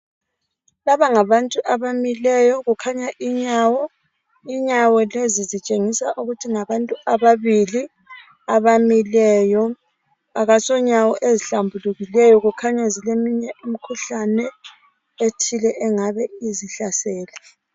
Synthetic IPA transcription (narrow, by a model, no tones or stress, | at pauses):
laβaŋaβantʼuʔaβamilɛjɔɣukʰaɲaʔiɲawɔ | iɲawɔlezizit͡ʃʼeŋisaʔuɣutʰiŋaβantʼuaβaβili | aβamilɛːjɔ | aɣasɔɲawɔʔeziɬambʱuluɣilɛjɔɣukʰaɲazilemiɲɛʔim̩kʰuɬanɛ | etʰilɛʔɛŋaβɛiziɬasɛːlɛ